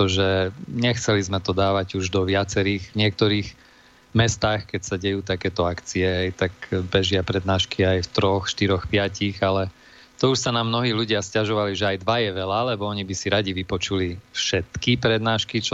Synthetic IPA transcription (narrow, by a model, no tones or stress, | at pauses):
ɔʒɛɲɛxt͡sɛlizmɛt̪ɔd̪aːʋaɟuʒd̪ɔʋɪat͡sɛɾiːɣvɲɪɛk̚t̪ɔɾiːɣ | mɛst̪aːxkɛcsaɟɛjuːt̪akɛːt̪ɔakt͡siɛɦɛjt̪akbɛʒɪapɾɛd̪naːʃkiajft̪ɾɔxʃt̪iɾɔxpɪaciɣalɛ | t̪ɔuʃsanamnɔɦiːluɟɪascaʒɔʋaliʒɛajd̪ʋajɛʋɛlalɛbɔɔɲibisiɾaɟiʋipɔt͡ʃulifʃɛt̪kipɾɛd̪naːʃkit͡ʃ